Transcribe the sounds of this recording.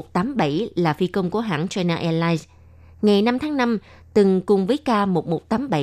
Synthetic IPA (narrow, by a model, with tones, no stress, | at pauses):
t̚t̪aː˨˦mɓə˧˩jlaː˨˩fi˧kə˧wŋ͡mku˧˩əɦa̰ː˧˥˨nt͡ɕɔ˧naː˧ʔɛ˧laː˧js | ŋa˨˩jna˧mt̪ʰaː˨˦ŋna˧m | t̪ɨ˨˩ŋkʊ˨˩ŋ͡mvəː˨˦jkaː˧mo˨˩t̚mo˨˩t̚t̪aː˨˦mɓə˧˨